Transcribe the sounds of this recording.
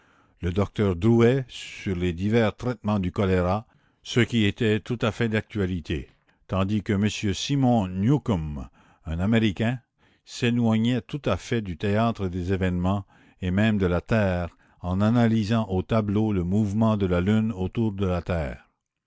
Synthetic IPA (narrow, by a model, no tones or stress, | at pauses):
ləd̪ɔk̚t̪œʁd̪uɛyʁled̪ivɛʁt̪ʁɛt̪mɑ̃d̪ykɔleʁa | səkʲiet̪ɛt̪ut̪afɛd̪ak̚t̪ɥalit̪ʰe | t̪ɑ̃d̪ikəməsjøsimɔ̃njukɔm | ɛ̃nameʁikʲɛ̃ | selwaɲɛt̪ut̪afɛd̪yt̪eat̪ʁəd̪ezevɛnmɑ̃ | emɛ̃md̪əlat̪ɛːʁ | ɑ̃nanalizɑ̃ʔot̪abloləmuvmɑ̃d̪əlalynot̪uːʁd̪əlat̪ɛːʁ